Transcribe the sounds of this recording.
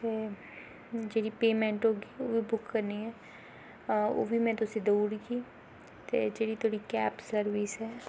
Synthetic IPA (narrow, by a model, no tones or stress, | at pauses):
t̪e | d͡ʒeɽipeːmẽɳʈɦoːɡiobʱibʊkːɐɾniɦɛː | o̰bʱimɛ̃t̪osed̪oːɽikiː | t̪ed͡ʒeːɾit̪ʰoːɽikɛːpsɐɾʋisɦɛː